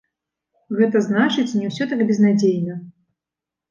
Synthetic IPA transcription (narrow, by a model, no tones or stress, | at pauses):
ɣɛt̪ɐznat͡ʂɨt͡sʲnʲɛwsʲɔt̪aɡbʲɛznad͡zʲejnɐ